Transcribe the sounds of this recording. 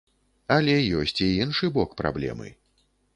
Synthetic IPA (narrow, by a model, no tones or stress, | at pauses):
ɐlʲɛjɔsʲt͡sʲiinʂɨbɔkpɾa̰blʲɛ̰mɨ̰